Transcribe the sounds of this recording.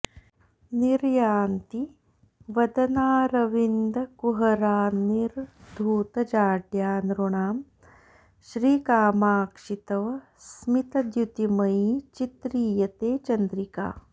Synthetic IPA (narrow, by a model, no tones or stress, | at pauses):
niɾjaːnt̪i | ʋɐd̪ɐnaːɾɐʋind̪ɐkuɦɐɾaːniɾd̪ʱuːt̪ɐd͡ʒaːʈjaːnɾuɳaːm | ʃɾiːkaːmaːkʂit̪ɐʋɐ | smit̪ɐd̪jut̪imɐit͡ʃit̪ɾiːjɐt̪eːt͡ʃɐnd̪ɾika̰ː